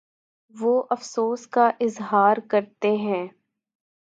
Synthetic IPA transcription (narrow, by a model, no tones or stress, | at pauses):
ʋoːʔɐfsoːskaʔɪzɦaːɾkɐɾt̪eɦɛ̃ː